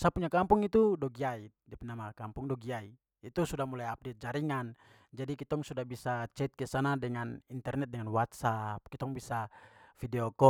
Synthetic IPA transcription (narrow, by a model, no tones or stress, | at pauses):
sapuɲakampuŋit̪udɔɡiai | dɛpɛnamakampuŋdɔɡiaiː | t̪usudamulajap̚dɛt̪̚d͡ʒaɾiŋan | d͡ʒadikit̪ɔŋsudabisat͡ʃɛt̪̚kɛsanadɛŋanint̪ɛrnɛt̪̚dɛŋanwat̪̚sap̚kit̪ɔŋbisafidɛɔkɔ